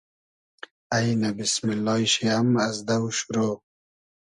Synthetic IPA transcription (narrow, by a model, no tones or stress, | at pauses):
ajnabismilːɑːjɕiamazd̪awʃuɾoː